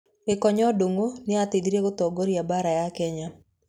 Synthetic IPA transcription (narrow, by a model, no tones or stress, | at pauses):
ɪkɔɲɔdoŋonɪat̪ɪd̪ɾeɡot̪ɔɡoɾjabaɾajakɛɲa